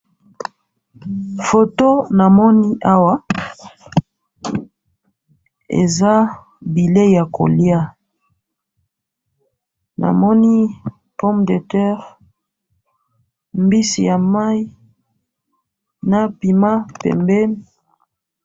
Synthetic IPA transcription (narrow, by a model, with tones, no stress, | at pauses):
fo˨to˦na˨mɔ˦ni˦ʔa˦wa˦ | ḛ˨za˦ | bi˨le˦ja˨ko̰˨lja˦ | na̰˨mɔ˦ni˦ | pɔ˦mde˨tɛ˦ʁ | mbi˦si˨ja˨ma˦i˦ | na˨pi˨ma˦pɛ̰˨mbɛ˦m